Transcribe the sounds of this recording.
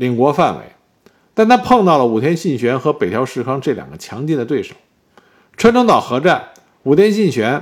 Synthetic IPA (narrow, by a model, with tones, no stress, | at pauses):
li˨˩ŋkwɔ˧˥fa˥˩nwḛ˧˥ɪ | t̪a˥˧nt̪ʰa˥pʰɤ˥˧ŋt̪ɑ˥˩ʊlə˩u˨˩t̪ʰjɛ˥nɕi˥˩nɕɥɛ˧˥nxɤ˧˥pe˨˩ɪt̪ʰjɑ˧˥ʊʂɻ̩˥˩kʰɑ˥ŋʈ͡ʂɤ˥˩ljɑ̰˨˩ŋɡə˦t͡ɕʰjɑ˧˥ŋt͡ɕi˥˧nd̪ət̪we˥˩ɪʂo˨˩˦ʊ | ʈ͡ʂʰwa˥nʈ͡ʂo˥ŋt̪ɑ˨˩ʊxɤ˧˥ʈ͡ʂa˥˩n | u˨˩t̪ʰjɛ˥nɕi˥˩nɕɥɛ˧˥n